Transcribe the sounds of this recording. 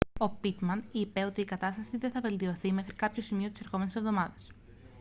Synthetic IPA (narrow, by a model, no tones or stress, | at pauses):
o̞pit̪mɐnipe̞o̞t̪iːkɐt̪ɐst̪ɐsiðeθɐve̞lt̪io̞θime̞xɾikɐpço̞simio̞t̪ise̞ɾxo̞me̞nese̞vðo̞mɐðɐs